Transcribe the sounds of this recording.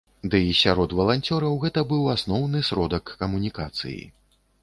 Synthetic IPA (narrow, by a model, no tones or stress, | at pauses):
d̪ɨisʲaɾɔd̪vɐlˠanʲt͡sʲɔɾɐwɣɛt̪ɐbɨwasnɔwnɨsɾɔd̪ɐkːɐmunʲikat̪sɨ̰jḭ